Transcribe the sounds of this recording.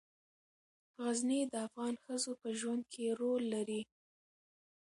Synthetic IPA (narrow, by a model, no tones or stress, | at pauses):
ɣaznid̪əafɣɑnxəzopəʒwand̪̚kʰeɾolːaɾi